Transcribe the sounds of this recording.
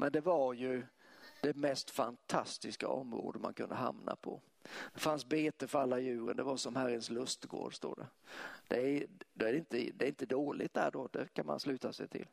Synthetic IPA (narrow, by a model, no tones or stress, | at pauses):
mʔɛnd̪ɛvaɾjɵd̪̥ɛmɛst̪fant̪ʰast̪ɪska̰ɔmːɾo̰ːd̪əmankʰɵnd̪əɦa̰mna̰pʰɔ | d̪̥ɛfansbeːt̪əfœɾalːajʉ̟ːɾə̰nd̪ɛvaɾsɔmhæɾənslɵst̪ɡo̰ːɖst̪o̰ːɖɛd̪̥ɛd̪ɛæɾɪnt̪əd̪ɛɾɪnt̪əd̪oːlʔɪt̪̚d̪æɖɔd̪ɛkʰanma̰nslʉ̟ːt̪asɛjt̪ʰɪ̰l